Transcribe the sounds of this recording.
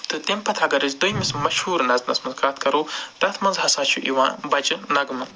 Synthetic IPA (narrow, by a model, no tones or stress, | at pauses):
t̪ɨt̪empʰɐt̪ʰɐɡɐɾizd̪ujmismɐʃhuːɾnɐznɐsmɐnzkʰaːt̪kɐɾuːt̪ɐt̪ʰmɐnzɦɐsaːt͡ʃʰṵʔiwãːbɐd͡ʒnɐɡɨmɨ